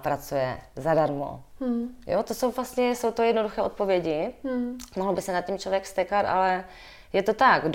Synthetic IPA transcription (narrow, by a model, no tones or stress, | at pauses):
pɾat͡sujɛ̰zadaɾmo̰ | jot̪oso̞wvlast̪ɲɛso̞wt̪ojɛdnoduxɛːo̞t̪̚po̞vjɛɟɪ | moɦlobɪsɛnat̪̚cɛmt͡ʃlovjɛkst̪ɛkat̪ʔa̰lɛ | jɛt̪o̞t̪aɡd